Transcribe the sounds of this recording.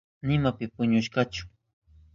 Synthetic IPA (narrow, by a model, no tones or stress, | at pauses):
nɪmapɪpʊɲʊʃɢɑt͡ʃʊ̥